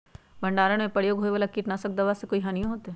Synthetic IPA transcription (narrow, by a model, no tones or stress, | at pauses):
bʱɐ̃ɳɖaːɾəɽ̃mẽpɐɽjoːɡʱɦoːeʋalakiːʈnasək̚d̪ɐʋaːsekoːiɦanijõɦoːt̪eɛː